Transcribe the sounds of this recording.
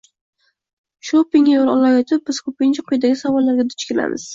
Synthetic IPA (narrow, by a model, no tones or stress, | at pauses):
ʃopɪŋʲajoɾɒlˠajɒt̪ʰɪp̚bɪz̥kʰɵpɪŋqʰʊjd̪aɡʲɪsavɒlːaɾɡʲad̪ʊt͡ʃkʲɪla̰mʔɪ̰z̥